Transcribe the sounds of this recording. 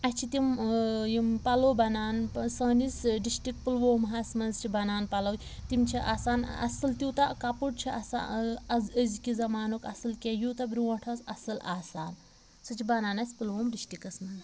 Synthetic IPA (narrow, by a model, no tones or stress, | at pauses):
ɐt͡ʃʰit̪imjimpɐlobɐnaːnsɐːnisɖisʈik̚pɨlʋoːmɦɐsmɐnzt͡ʃʰibɐnaːnpɐlɐwt̪imt͡ʃʰiʔaːsaːnɐ̰sɨlt̪ut̪ɐkɐpuʈ̚t͡ʃʰiɐsa̰ɐzəzkizɐmaːnukɐsɨlkʲejut̪ɐbɾiwɐ̃ʈʰɐsɐ̰sɨlaːsaːn | sɨt͡ʃʰibɐnaːnɐsʲpɨlʋoːmɖisʈikɐsmɐn